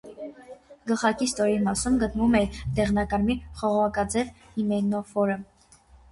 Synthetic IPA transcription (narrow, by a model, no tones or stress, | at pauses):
ɡəlχɑkist̪ɔɾimɑsumɡət̪nvumɛɾd̪ɛʁnɑkɑɾmiχɔʁɔʁɑkɑd͡zɛv | himɛnɔfɔɾə